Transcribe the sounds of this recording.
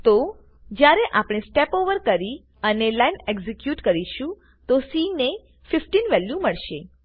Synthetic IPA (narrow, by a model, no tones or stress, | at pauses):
t̪o | d͡ʒjaɾeʔapɽ̃esʈepoʋəɾkəɾi | ənelajneɡzekjuʈkəɾiʃũ | t̪osine | fɪfʈinʋɛljũməɭʃe